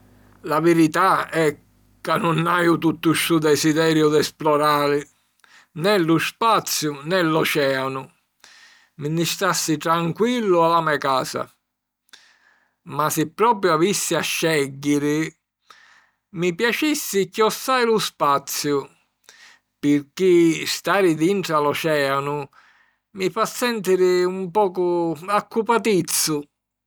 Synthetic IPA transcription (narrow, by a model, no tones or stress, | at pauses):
lavɪɾit̪aɛk | kːanːunːajʊt̪ut̪ːʊʃud̪ɛsid̪ɛːɾjʊd̪ɛsplɔɾaːɾɪ | nɛluspat̪sːjʊnɛlːɔt͡ʃɛːanʊ | minːist̪asːit̪ɾaŋkwilːʊalamɛjkaːsa̰ | masɪpːɾɔːpɾjuavisːiaʃːɛɟːɪɾɪ | mipjat͡ʃisːɪcɔsːaːjlʊspat̪sːjʊ | pɪɾk̟ist̪aːɾɪd̪iɳt̪ɾalɔt͡ʃɛːanʊ | mifasːɛnt̪iɾɪumpɔːkʊakːupat̪it̪sːʊ